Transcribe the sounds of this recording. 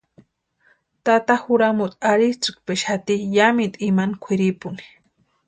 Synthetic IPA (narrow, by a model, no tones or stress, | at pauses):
t̪at̪axuɾamut̪ʼaɾit͡sɨkpeʃhat̪ijamit̪ʼimankʷʰiɾipʊni̥